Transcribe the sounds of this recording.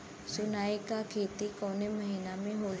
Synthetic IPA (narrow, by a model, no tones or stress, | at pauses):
sʊnaːikakʰeːt̪ikɔːneməɦiːnamẽɦoː